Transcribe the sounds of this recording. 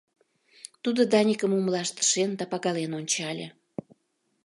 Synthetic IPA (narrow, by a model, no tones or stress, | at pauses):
t̪ud̪od̪ɑnʲikəmumlɑʃt̪ə̥ʃend̪ɑpɑɣɑlenonʲt͡ɕɑlʲḛ